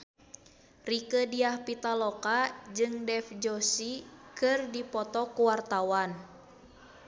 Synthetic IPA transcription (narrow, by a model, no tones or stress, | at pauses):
rikədiahpit̪alɔkad͡ʒɨŋdɛfd͡ʒɔsikɨrdipɔt̪ɔkuwart̪awan